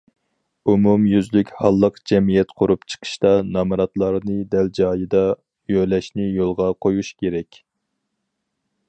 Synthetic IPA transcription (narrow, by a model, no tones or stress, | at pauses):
umumjyzlykʲhɑlˠːəqd͡ʒɛmijɛt̪qʰʊɾupt͡ʃʰə̥qʰə̥ʃt̪ɑnɑmɨɾɑt̪lˠɑɾnɨd̪ɛld͡ʒɑːjɨd̪ɑ | jølɛʃnɪjolˠʁɑqʰojuʃkʲʰeɾɛkʲ